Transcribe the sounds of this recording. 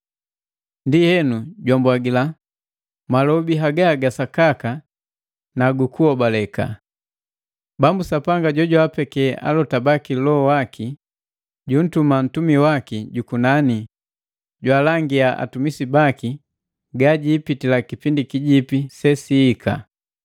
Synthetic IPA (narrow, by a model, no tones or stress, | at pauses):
ndihɛnuɟwambwaɡila | malɔbiɦaɡaɡasakaka | naɡukuɔbalɛka̰ | bambusapaŋɡaɟɔɟwapɛkɛʔa̰lɔtabakilɔɔwakʰi | ɟun̩tuman̩tumiwakiɟukunani | ɟwaːlaŋɡiaʔa̰tumisibaki | ɡaɟiːpitilakipindikiɟipisɛsiːkʰa̰